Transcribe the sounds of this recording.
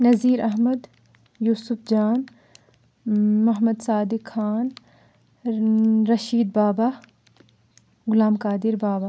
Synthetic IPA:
nɐziːɾʔɐɦmɐd̪ | juːsʊfd͡ʒaːn | mɐɦmɐd̪saːd̪ɪkxaːn | ɾɐʃiːd̪̚baːbaː | ɡʊlaːmkaːd̪ɪɾbaːba

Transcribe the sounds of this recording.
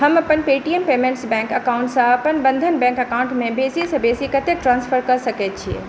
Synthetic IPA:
ɦɐmɐpənpeːʈiəmpeːmẽɳʈsbɛ̃ːŋkɐkaʊ̃ɳʈsãɐpənbɐ̃nd̪ʱənbɛ̃ːŋkɐkaːʊ̃ɳʈmẽbeːsisɐbeːsikɐt̪ʰek̚ʈɾãːnspʰəɾkɐɾsɐket̪̚t͡ɕʰiḛ

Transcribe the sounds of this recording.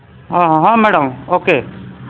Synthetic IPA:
ɦãːɦãɦãːmɛːɽəmoːkeː

